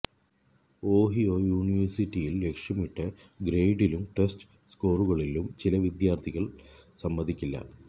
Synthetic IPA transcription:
o̞ːɦijojuːniʋɐrsitːijilːe̞kʂjɐmiʈːɨ | ɡɾejɖilumʈesʈ | skoːruɣɐɭilumt͡ɕilɐʋid̪jaːrt̪ʰiɣɐɭsɐmːɐd̪ʱikʲːilːɐ̰

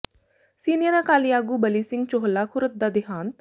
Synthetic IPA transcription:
siːnijəɾakaːlijaːɡuːbəliːsɪŋɡ̚t͡ʃoɦəlaːkʰʊɾət̪̚d̪aːd̪ɪɦãːnt̪

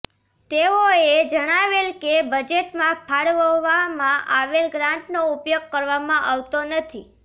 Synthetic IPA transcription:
t̪eoed͡ʒəɽ̃aʋelkebəd͡ʒeʈmãpʰaɽʋəʋamãʔaʋelɡɾãɳʈnoupjoɡ̚kəɾʋamãʔaʋt̪onət̪ʰḭ

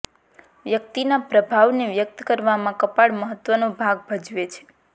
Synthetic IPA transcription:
ʋjək̚t̪inapɾəbʱaʋneʋjək̚t̪kəɾʋamãkəpaɽməɦət̪ʋənobʱaɡ̚bʱəd͡ʒʋet͡ʃʰe̥

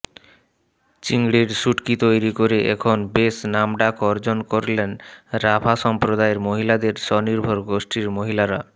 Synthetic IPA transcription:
t͡ɕiŋɡɽiɾʃuʈkit̪ojɾikoɾeʔɛ̰kʰonbesnamɖakɔɾd͡ʑonkoɾlenɾabʰʱaʃɔmpɾod̪aeɾmoɦilad̪eɾʃɔniɾbʱoɾɡoʃʈiɾmoɦilaɾa

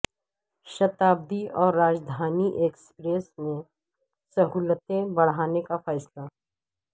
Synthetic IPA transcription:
ʃɐt̪aːb̚d̪iɔːɾːaːd͡ʒd̪ʱaːniʔeːkspɾeːsnẽ | sɐɦuːlət̪ẽbɐɽ̤ɦaːnekafɛːsla

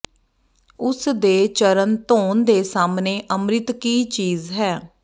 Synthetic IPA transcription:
ʊsd̪eːt͡ʃəɾənt̪oːnd̪eːsaːmneːʔəmɾɪt̪kiːt͡ʃiːzɦɛː

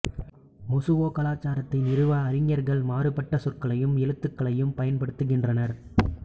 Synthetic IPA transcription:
mɔsɯʋoːkɐlaːt͡ʃːaːɾɐt̪ːɪnɪɾɯʋaːɐɾɪŋjɐɾɣɐɭmaːɾɯpːɐʈːɐsɔrkɐɭɐjɯmɛɻɯt̪ːɯkːɐɭɐjɯmpɐjɐnpɐɽɯt̪ːɯɣɪndrɐnɐɾ

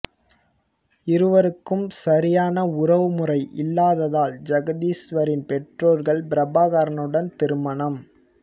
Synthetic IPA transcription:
ɪɾɯʋɐɾɯkːɯmsɐɾɪjaːnɐʊrɐʋɯmʊrɐɪʔɪlːaːðɐðaːld͡ʒɐɣɐðiːsʋɐɾɪnpɛʈroːɾɣɐɭbɪɾɐbaːɣaːɾɐnɯɽɐnt̪ɪɾɯmɐɳɐm

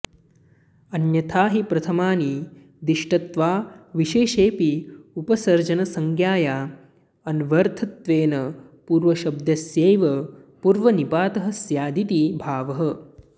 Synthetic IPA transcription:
ɐnjɐt̪ʰaːɦipɾɐt̪ʰɐmaːni | d̪iʃʈɐt̪ʋaːʋiʃeːʃeːpiupɐsɐɾd͡ʒɐnɐsɐŋɡjaːjaː | ɐnʋɐɾt̪ʰɐt̪ʋeːnɐpuːɾʋɐʃɐb̚d̪jɐsjeːʋɐpuːɾʋɐnibaːt̪ɐɦɐ̆sjaːd̪it̪ibʱaːʋɐɦɐ̆

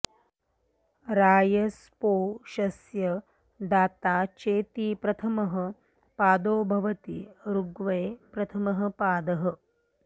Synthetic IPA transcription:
ɾaːjɐs | poːʃɐsjɐ | d̪aːt̪aːt͡ʃeːt̪ipɾɐt̪ʰɐmɐɦə̆ | paːd̪oːbʱɐʋɐt̪iɾuɡʋɐjpɾɐt̪ʰɐmɐɦɐ̆paːd̪ɐɦɐ

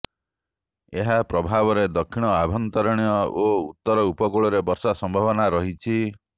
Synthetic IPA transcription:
eɦapɾɔbʱabɔɾed̪ɔkʰːiɽ̃ɔabʱɔnt̪ɔɾɔɽ̃jɔout̪ːɔɾɔupɔkoɭɔɾebɔɾsasɔmbʱabɔnaɾɔɦit͡ʃʰi

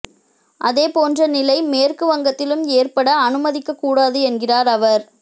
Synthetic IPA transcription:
ʔɐðeːpoːndrɐnɪlɐɪmeːrkɯʋɐŋɡɐt̪ːɪlɯmeːrpɐɽɐːnɯmɐðɪkːɐkːuːɽaːðɯɛnɡɪraːɾɐʋɐɾ

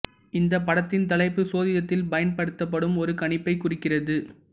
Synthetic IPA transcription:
ɪnd̪ɐpːɐɽɐt̪ːɪnt̪ɐlɐɪpːɯsoːðɪðɐt̪ːɪlbɐjɐnpɐɽɯt̪ːɐp̬ːɐɽɯmɔɾɯkɐɳɪpːɐɪkʊrɪkːɪrɐðɯ

